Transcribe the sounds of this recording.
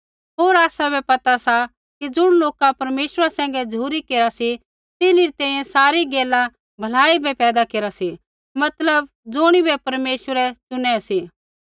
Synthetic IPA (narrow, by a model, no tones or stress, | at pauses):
ɦoːɾaːsabɛpɐt̪asa | kid͡zʊɽ̃loːkapɐɾmeːʃəɾasɛ̃ːŋ̆ɡɛd͡zuːɾikeːɾasi | t̪ɪliɾit̪ɛ̃ːĩjɛ̃saːɾiɡeːla | bʱɐlaːibɛpɛːd̪akeːɾasi | mɐt̪ləb | d͡zʊɽ̃ibɛpɐɾmeːʃəɾɛt͡ʃʊnɛsiː